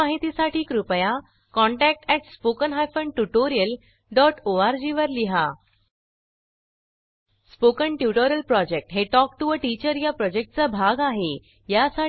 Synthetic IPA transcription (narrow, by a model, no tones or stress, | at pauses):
aɦit̪isaʈiːkɾupəja | kɔɳʈæk̚ʈɛʈspokənɦajfəɳɖʈuʈoɾijəl | ɖɔʈoaɾd͡ʑiʋəɾliɦa | spokəɳʈjuʈoɾəlpɾɔd͡ʑek̚ʈɦeʈɔk̚ʈuəʈit͡ɕəɾjapɾɔd͡ʑek̚ʈ̚t͡sabʱaɡaɦe | jasa